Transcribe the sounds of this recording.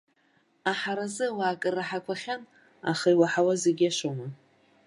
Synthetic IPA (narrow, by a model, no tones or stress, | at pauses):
aħaɾazɨwaːkʼɨrːaħakʷʰaχʲan | a̰χaiwaħawazeɡʲaʃoma